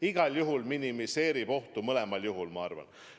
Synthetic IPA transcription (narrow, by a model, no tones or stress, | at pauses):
iɡ̥ɑljuɦulminimise̞ːɾib̥o̞ht̪umɤle̞mɑljuɦulmɑɑrvɑ̰n